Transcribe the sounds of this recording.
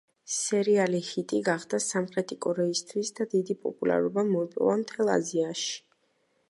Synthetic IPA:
sɛɾialihit̪ʼiɡaχd̪̥asamχɾɛt̪ʰikʼɔɾɛist̪ʰwisd̪ad̪id̪ipʼɔ̰pʼula̰ɾɔbamɔɛpʼɔ̰vamt̪ʰɛlˠa̰ziaʃi̥

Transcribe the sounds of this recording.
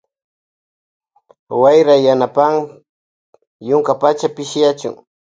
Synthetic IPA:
wajɾajanapaŋ | jʊŋkapat͡ʃapɪʃjat͡ʃʊ̰ŋ

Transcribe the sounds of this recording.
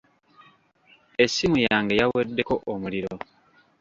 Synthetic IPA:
e̞sːimujaːŋɡe̞jawedːe̞ko̞ʔomuliɾo̞

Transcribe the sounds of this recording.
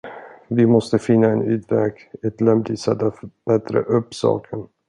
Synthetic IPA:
vɪmɔst̪əfɪnːaɛnʉ̟ːd̪vɛːkɛt̪lɛmd̪ɪsɛt̪ːab̥ɛt̪ɾə̰ʔɵpːsɑ̰ːkʰən

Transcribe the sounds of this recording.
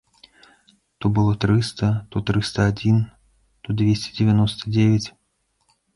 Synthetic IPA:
t̪ɔbɨlˠɔt̪ɾɨst̪ɐt̪ɔt̪ɾɨst̪ɐad͡zʲin | t̪ɔd̪vʲesʲt͡sʲɛ̥d͡zʲɪvʲanɔst̪ɐd͡zʲevʲat͡sʲ

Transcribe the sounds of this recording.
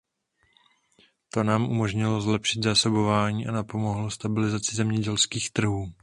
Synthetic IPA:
t̪o̞naːmʔṵmo̞ʒɲɪlozlɛpʃɪd̪zaːso̞bo̞vaːɲiːʔanapo̞moɦlost̪abɪlɪzat͡sɪzɛmɲɛɟɛlskiːxt̪r̩ɦuː

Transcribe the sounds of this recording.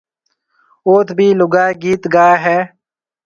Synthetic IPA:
oːt̪ʰbʱiːlʊɡaːeɡiːt̪ɡaːɦɛː

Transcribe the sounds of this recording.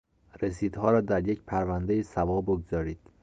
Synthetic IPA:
resiːd̪hɒːɾɒːd̪æɾje̞cpʰæɾvænd̪ejisævɒːboɡz̥ɒːɾiːd̪̥

